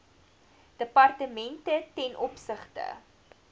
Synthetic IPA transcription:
d̥əpɐrtəmɛntətɛnʔɔpsəχtə̰

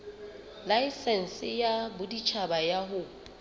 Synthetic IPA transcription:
laisɛn̩sɪjabʊdit͡ʃʰabajaɦʊ

